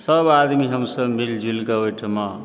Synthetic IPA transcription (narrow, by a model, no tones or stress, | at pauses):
səbad̪miɦəmsəbmild͡ʒʱilkəɦojʈʰma